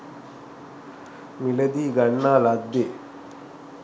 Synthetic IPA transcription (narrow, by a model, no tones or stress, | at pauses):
milɐd̪iːɡɐɳːaːlad̪ːe